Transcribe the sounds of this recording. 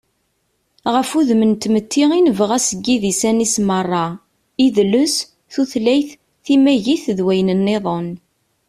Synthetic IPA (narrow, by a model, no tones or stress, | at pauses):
ʁəfuðmənt̪ːmət̪ːiʁinəvəʁæsəɡːiðisænismərˤːɑ | iðlʊs | θuθlæjθ | θimæʝiθðwæjnənːeðˤon